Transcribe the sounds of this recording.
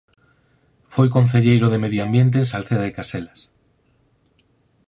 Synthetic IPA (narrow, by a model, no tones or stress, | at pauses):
fojk̬onθ̬eʎejɾoðemeðjoambjent̪̬eːnsalθeðaðekaselas